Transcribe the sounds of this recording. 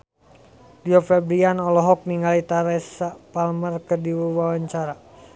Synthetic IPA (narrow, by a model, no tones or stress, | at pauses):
liɔfɛbɾianɔlɔɦɔk̚niŋɡalit̪aɾɛsapalmərkərdiwuwawaɲt͡ʃaɾa